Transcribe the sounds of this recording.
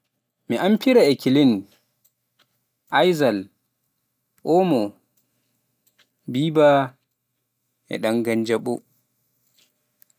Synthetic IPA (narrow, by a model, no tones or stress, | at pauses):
miʔampʰiɾaɛkʰilin | ʔajzal | ʔɔmɔ | biːba | ɛ̰ɗaŋɡand͡ʒaɓɔ